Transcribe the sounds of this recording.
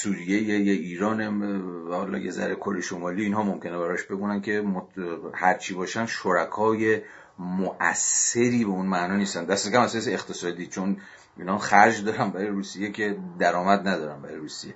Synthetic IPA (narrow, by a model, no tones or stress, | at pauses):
suːɾijejejeiːɾɒːnehɒːlɒ̰ːjḛzæ̰ɾekʰo̞ɾejeʃomɒːliːnɦɒːmomcʰe̞nebæɾɒʃbe̞ɡuːnænkʰe̞mohæɾt͡ʃʰiːbɒːʃænʃoɾækʰɒːje̞ | moʔæ̰sːe̞ɾiːbeunmænɒːniːst̪ænd̪æst̪e̞cæmæzhɒseːχt̪ʰe̞sɒːd̪iːt͡ʃʰon | iːnhɒxæɾd͡ʒd̪ɒːɾænbæɾɒjeɾuːsije̞cʰe̞d̪æɾɒːmæd̪næd̪ɒːɾænbæɾɒ̰ːjɾuːsije̞